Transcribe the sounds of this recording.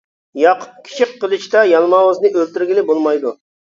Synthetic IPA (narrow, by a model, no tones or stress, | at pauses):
jɑqʰʊ̥p̪̚kʲʰi̥t͡ʃʰiqʰːəlˠɨt͡ʃt̪ɑjɑlˠmɑwɨznɨʔølt̪yɾɡʲilɪbolˠmɑjd̪u